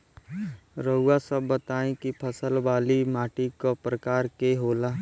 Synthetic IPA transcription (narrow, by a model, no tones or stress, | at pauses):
ɾəɦʊasəbːət̪aːẽkipʰəsəlbaːlimaːʈikopɾəkaːɾkeɦoːlaː